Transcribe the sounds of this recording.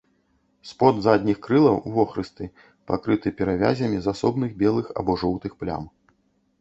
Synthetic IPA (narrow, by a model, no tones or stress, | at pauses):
spɔd̪zad̪ʲnʲixkɾɨlˠɐwvɔxɾɨst̪ɨ | pa̰kɾɨt̪ɨpʲɛɾavʲa̰zʲɐmʲizasɔbnɨɣbʲɛlˠɨxɐ̰bɔʐɔwt̪ɨxplʲa̰m